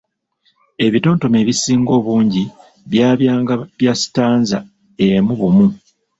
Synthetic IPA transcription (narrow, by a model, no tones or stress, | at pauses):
e̞βito̞ːnto̞me̞ːβisiːŋɡo̞ːβuːɲɟi | βjaːβjaːŋɡaβjasi̥taːnza | emuβumu